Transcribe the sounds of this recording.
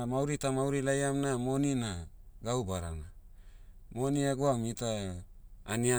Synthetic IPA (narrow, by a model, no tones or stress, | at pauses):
mawɾitamawɾilajamnamo̞ninaɡaubaɾa̰na | moniaɡoamitaː | nia